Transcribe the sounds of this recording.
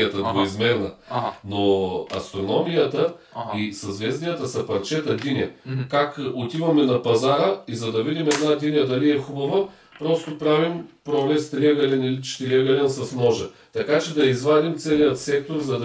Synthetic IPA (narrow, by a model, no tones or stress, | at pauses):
ət̪ɐɡoizmɛɾnənoɐ̰st̪ɾonɔmijət̪əisɐzvɛznijət̪əsɐpɐɾt͡ʃɛt̪ɐd̪inʲɐkakot̪ivɐmɛnɐpɐzaɾəizɐd̪ɐvid̪imɛd̪nad̪ʲinʲjəd̪ɐliɛxubɐvə | pɾɔst̪opɾavimpɾoblɛst̪ɾʲiəɡɐlɛnilit͡ʃt̪ɾiəɡɐlɛnsɐsnɔʒɐ | t̪ɐkat͡ʃɛd̪ɐizvad̪imt̪sɛnʲijət̪sɛkt̪oɾzɐd̪ɐ